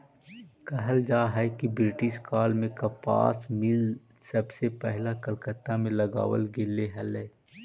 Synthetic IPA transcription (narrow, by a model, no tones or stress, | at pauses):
kɐɦəld͡ʒaːɦɛkibɾɪʈɪʃkaːlmẽkapa̰ːsmɪl | sɐbsepɛɦlakəlkət̪ːamẽlɐɡa̰ːwə̰lɡelːeɦɐleː